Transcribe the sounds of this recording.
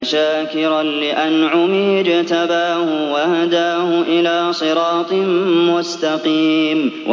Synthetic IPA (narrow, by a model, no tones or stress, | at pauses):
ʃaːkɪɾanlɪʔanʕʊmiːd͡ʒat̪abaːhʊwahad̪aːhʊʔɪlaːsˤɨɾɑːt̪ˤɨmʊst̪aqiːmw